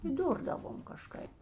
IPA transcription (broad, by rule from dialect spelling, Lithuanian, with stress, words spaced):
iːˈdʊrdɐʋoːm kɐˈʃkɐɪp